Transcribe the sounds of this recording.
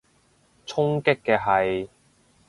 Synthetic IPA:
t͡sʰʊ˥ŋkɪ˥kːɛː˧ɦɐ˨j

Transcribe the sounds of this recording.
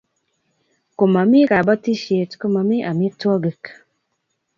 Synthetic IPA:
ko˨ma˨mi˦ka˨bɔ˦ti˦ʃje˨tko˦ma˨mi˦ʔa˨mi˦twɔ˦ɡe˨k

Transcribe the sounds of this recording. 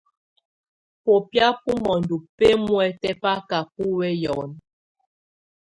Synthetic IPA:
po˨pja˦pu˦mɔ˨ndu˨pe˦mwɛ˨tɛ˦pa˦ka˨pu˦wɛ˦jɔ˨n

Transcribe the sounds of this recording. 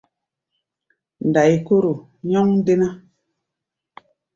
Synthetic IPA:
n˨da˨jko˦ɾo˨ | ɲɔ˦ŋde˦na˦

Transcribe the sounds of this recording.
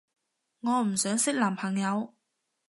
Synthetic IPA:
ŋɔː˨˧m̩˨˩sœː˨˥ŋsɪ˥k̚laː˨˩mpʰɐ˨˩ŋjɐ˨˧w

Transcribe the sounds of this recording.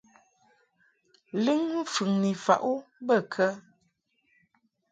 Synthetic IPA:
lɨ˦ŋm̩˦˨fʉ˨ŋni˨fa̰˨ʔu˦bə˦˨kʰə˦

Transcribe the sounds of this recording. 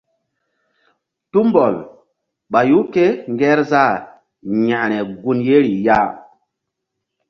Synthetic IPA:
tu˦mbo˨l | ɓa˨ju˦ke˦ŋɡɛ˦ɾza˦˨ | ɲa˨ʔɾɛ˨ɡu˦nje˦ɾi˨ja˦

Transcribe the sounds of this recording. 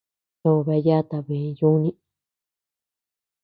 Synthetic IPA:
o˧˨βe˧˦ja˦t̪a˨βẽ˨˦ju˦nĩ˦

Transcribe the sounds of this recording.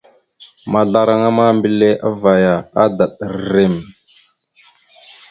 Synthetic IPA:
ma˨ɮa˨ɾa˦ŋa˦ma˦mbi˨le˦ʔa̰˦va˨ja˨a˦da˨ɗə˨ɾɾe˦˨m

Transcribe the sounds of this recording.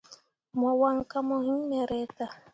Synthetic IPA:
mɔ˨wa˦ŋ˦ka˦mɔ˨hi˦n˦mɛ˨ɾɛ˦ta˨

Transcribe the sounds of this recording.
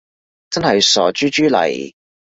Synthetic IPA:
t͡sɐ˥nhɐ˨jsɔː˨˩t͡ʃyː˥t͡ʃyː˥lɐ̰˨˩j

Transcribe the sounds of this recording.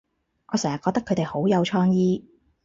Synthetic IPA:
ŋʔɔː˨˧sɛː˨˩ŋjɐ˨kːɔ˧k̚t̪ɐ˥kʰːɵ˨˧t̪e˨jho˨˥wjɐ˨˧wt͡ʃʰɔː˥ŋjiː˥

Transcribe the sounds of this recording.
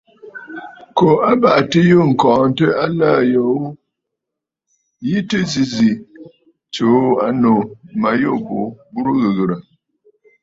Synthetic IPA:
ko˨a˦ba˨ʔtə˦jo˦ŋ̩˨kɔː˨n˦tə˦a˦laː˦˨jo˨˦ | ji˦tɨ˦zi˦zi˨ | t͡ʃo˨˦a˦no˨ma˨jo˦˨bo˨bu˦ɾu˦ɣɨ˨ɣɨ˨ɾa˨

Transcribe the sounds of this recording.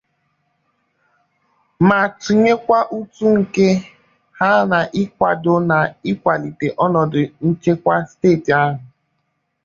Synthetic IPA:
ma˨tu˨ɲe˦kʷa˦ʔu˦tu˦ŋ̩˨ke˦ | ha˦na˨ʔɪ˦kʷa˨dʊ˨na˨ɪ˦kʷa˨li˨te˨ʔɔ˦nɔ˨dʊ˨ŋ̩˦t͡ʃe˦kʷa˦steː˦˨ti˨a˦ɦʊ˨

